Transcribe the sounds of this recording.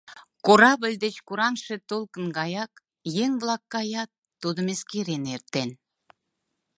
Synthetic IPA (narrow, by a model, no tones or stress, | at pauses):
koɾɑbə̆lʲd̪ĕt͡ɕkuɾɑnʃə̆t̪olˠkə̆nɡɑjɑk | jeŋblˠɑkːɑjɑt̪ːod̪ə̆meskʲeɾeneɾt̪ːen